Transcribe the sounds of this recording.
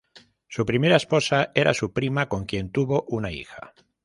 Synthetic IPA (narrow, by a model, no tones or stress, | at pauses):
supɾimeɾaespo̞saʔeɾʔa̰supɾimako̞ŋkje̞nt̪uβo̞ʔunaḭxa̰